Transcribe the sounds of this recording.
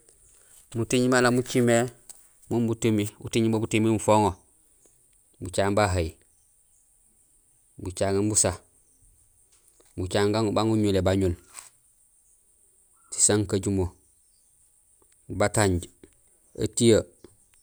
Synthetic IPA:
mutiɲimalamut͡ʃime | mumbutimibṵtiɲimobutimimufoŋo | but͡ʃaːŋbaɦai | but͡ʃaŋambusa | mbut͡ʃaːŋɡaŋbaŋuɲulebaɲul | si̥saŋkaɟumo | bataɲɟ | a̰tija

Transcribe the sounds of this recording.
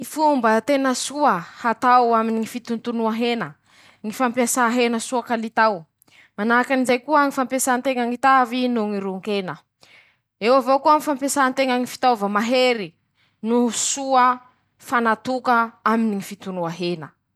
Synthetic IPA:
ŋifumbət̪enəsuəhat̪awaminiŋifit̪unt̪unuaɦenə | ŋifampiasaɦenəsuakalit̪aw | manakanizajkuəŋifampjasant̪eŋaŋit̪avinuŋiɾuŋkenə | ewavokuaŋifampasant̪eŋaŋifi̥t̪ovəmaɦeɾi | nusuə | fanat̪ukəaminiŋifit̪unuaɦenə

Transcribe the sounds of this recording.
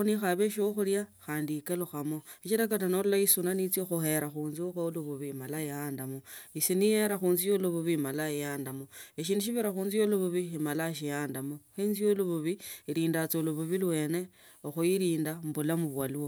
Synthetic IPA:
onixaβeʃoxuljaxaːndiːkeluxamo̞it͡ʃiɾak̬atanolulaisunanit͡sjoxuhe̞ɾaxuːnzioxoluβuβimalaiaːndamoisinijeɾaxuːnzijoluβuβimalaijaːndamoeʃ̬iːnduʃ̬iβiɾaxuːnzijoluβuβiimalaʃ̬ijaːndamoxeːnzijoluβuβiiɾiːndat͡soluβuβilwe̞ːne̞ | oxujiɾiːndambulamuβwaluwo

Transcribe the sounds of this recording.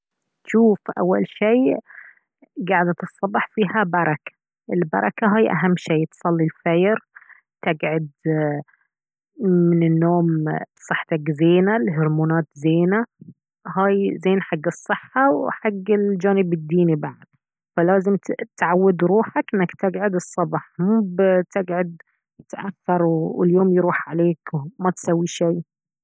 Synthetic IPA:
ʃuːfʔa̰wːa̰lʃeː | ɡaʕd̪at̪ɨsˤːɑbɑħfiːhabɑɾˤɑkḁ | ʔɪlbɑ̰ɾˤɑkaɦaːjʔa̰ɦamːʃeːt̪sˤɑlːilfajɾ | t̪ɪɡʕʊd̪ | mɪnɪnːoːmsˤɨħːt̪aɡzeːnalɦʊɾmuːnɑːt̪zeːna | haːjzeːnħaɡːɨsˤːɨħːawħaɡːɪld͡ʒaːnɪbɪd̪ːiːnibaʕad̪̚ | falaːzɪmt̪ʕawːad̪ɾuːħakʔɪnːakt̪ɪɡʕʊd̪ɨsˤːɑbɑħmuːbt̪ɪɡʕʊd̪̚ | t̪ʔaθːɑɾˤwɪljoːmjɾuːħʕaleːkmat̪sawːiʃaj

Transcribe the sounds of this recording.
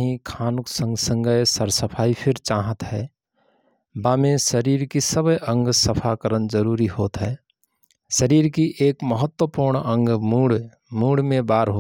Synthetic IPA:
ɦĩkʰaːnuksə̃ŋɡsə̃ŋɡəjsəɾsəpʰaːipʰɪɾt͡ʃaːɦət̪ɦɛː | baːmẽsəɾiːɾkisəbəjʔə̃ŋɡsəpʰakəɾənd͡ʒəɾuɾihoːt̪ɦɛː | ʃəɾiːɾkiʔeːkməɦət̪wəpuɾɳə̃ŋɡmuɽ | muːɽmẽbaːɾɦoːt̪

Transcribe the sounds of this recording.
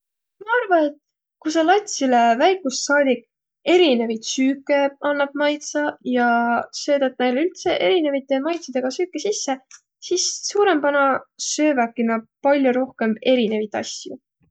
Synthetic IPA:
mɑɑrvɑne̞t̪ | kusɑlɑt̪ʲsile̞væjkˑusːɑːd̪ikːˑ | e̞ɾine̞vit̪syːkːˑe̞ɑnːɑb̥̚mɑjt̪sɑjɑsø̞ːd̪̥ɑt̪̚ne̞jlylt̪se̞ʔe̞ɾine̞vit̪ːˑe̞mɑjt̪sid̪̥e̞ɡ̥ɑsyːkːˑesisːe̞ | sisːuːɾe̞mpɑnɑsø̞ːvækːinɑpɑlʲjuɾo̞hke̞me̞ɾine̞vit̪ɑ̰sʲjṵ

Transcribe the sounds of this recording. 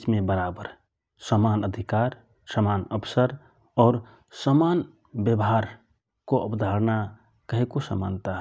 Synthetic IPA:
t͡ʃmẽbəɾaːbəɾ | səmaːnəd̪ʱikaːɾ | səmaːnəbsəɾ | ɔːɾ | səmaːn | bjəbɦaːɾ | koəpd̪ʱaːɾna | kəɦikosəma̰ːnt̪aɦ

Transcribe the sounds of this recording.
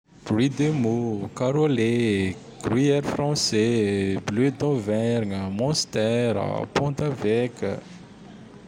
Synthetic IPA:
b̥lid̪emokaɾole | ɡ̥riɛɾfrɑ̃seblød̪ɔ̃vɛɾŋəmɔ̃st̪ɛɾa̰pɔ̃t̪avɛkʲə̰

